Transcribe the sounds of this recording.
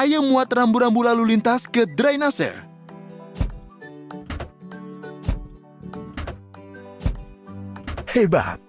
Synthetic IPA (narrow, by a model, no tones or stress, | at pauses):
ajəmuat̪rambuɾambulalulint̪askəd̪ɾajnasɛ̰r | heba̰t̪̚